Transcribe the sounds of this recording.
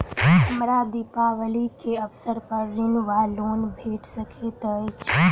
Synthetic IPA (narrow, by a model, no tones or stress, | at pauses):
ɐmɾad̪ipaʋɐlikʰeːɐfsəɾpɐɾɾɪnʋaːloːnbʱeːʈsɐkʰet̪ɐɪt͡ʃʰ